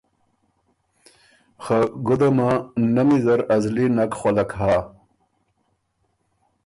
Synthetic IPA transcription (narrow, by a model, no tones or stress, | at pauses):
xaɡud̪ɐmanɐmizɐɾɐzlinɐkχolɐkɦaː